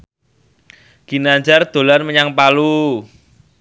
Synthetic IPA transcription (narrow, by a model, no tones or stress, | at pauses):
ɡ̥inaɲd͡ʒard̪̥o̤lanməɲaŋpalu